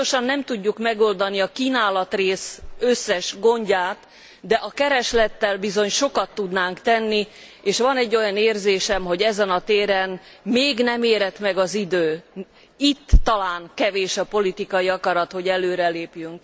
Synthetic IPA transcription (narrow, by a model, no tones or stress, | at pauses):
oʃɒnːɛmt̪uɟːukmɛɡo̞ld̪ɒniɒkiːnaːlɒt̪reːsøsːɛʃɡo̞ɲɟaːt̪ | d̪ɛʔɒkɛɾɛʃlɛt̪ːɛlbizo̞ɲʃo̞kɒt̪ːud̪naːŋkt̪ɛnːi | eːʃʋɒnɛɟːo̞jɒneːrzeːʃɛmɦo̞ɟɛzɛnɒt̪eːɾɛn | meːɡnɛmeːɾɛt̪mɛɡɒzid̪øː | it̪ːɒlaːŋkɛveːʃɒpo̞lit̪ikɒjiɒkɒɾɒt̪ho̞ɟɛløːɾɛleːpjyŋk̚